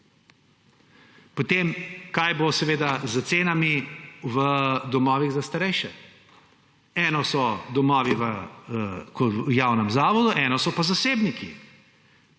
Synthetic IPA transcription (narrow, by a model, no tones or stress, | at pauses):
pot̪eːmkajbosɛʋeːd̪azət̪seːnamiʋəd̪ɔmɔːʋiɣzast̪aɾɛjʃɛ | ɛːnɔsɔd̪ɔmɔːʋiʋə | kɔjaːwnɛmzaːʋɔd̪uʔɛnɔsɔpazaseːbniki